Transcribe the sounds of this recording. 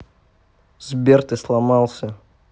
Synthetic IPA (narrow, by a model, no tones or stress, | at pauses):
zbʲert̪ɨslˠamɑlˠsʲə